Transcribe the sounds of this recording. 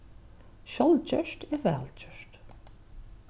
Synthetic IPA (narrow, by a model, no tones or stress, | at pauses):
ɕɔlt͡ɕœʃt̪ɛɾvɛ̰ːlt͡ɕœʂt̪